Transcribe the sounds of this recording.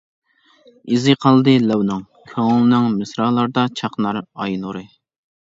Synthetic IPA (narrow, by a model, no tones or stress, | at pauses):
izɨqʰɑlˠd̪ɨlɛwnɨŋ | kʲʰøŋlˠɨnɪŋmɨsɾɑːlˠɑɾd̪ɑt͡ʃʰɑχnɑɾɑjnuɾɨ